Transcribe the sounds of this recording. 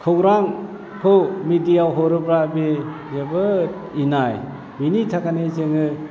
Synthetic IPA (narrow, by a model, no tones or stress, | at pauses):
kʰɯwɾaŋ | kʰɯwmidijawɦɔɾɯpɾabezebɯ | inaj | binitʰakanezeŋɯ